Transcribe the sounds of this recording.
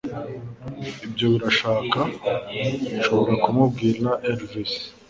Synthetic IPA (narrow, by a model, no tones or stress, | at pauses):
ibjo̞βiɾaʃaːka | βiʃo̞βoɾakumubɡiːɾanaʔeɾvis